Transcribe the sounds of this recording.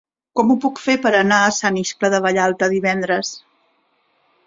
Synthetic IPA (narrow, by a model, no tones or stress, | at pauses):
kɔmupukfepəɾənaəsaniskləðəβəʎalˠt̪əðiβɛnd̪ɾəs